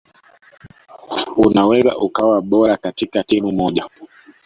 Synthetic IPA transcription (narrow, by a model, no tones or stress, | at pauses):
unawɛza̰ʔukawaɓɔɾakatikatimumɔʄa